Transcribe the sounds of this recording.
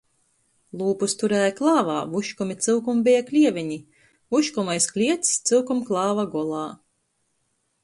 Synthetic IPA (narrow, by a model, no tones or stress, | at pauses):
lˠuːpust̪uɾæːjaklˠɑːvaːvuʃkumʲit̪sɨlkumbijaklʲiɛvʲiɲi | vuʃkumajsklʲiɛt̪st̪sɨwkumklˠɑːvaɡɔɔlˠɑː